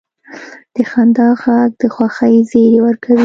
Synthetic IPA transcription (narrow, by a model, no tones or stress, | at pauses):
d̪̥əxand̪ɑɣɑɡ̚d̪əxwaxəjzeɾewəɾkʰawi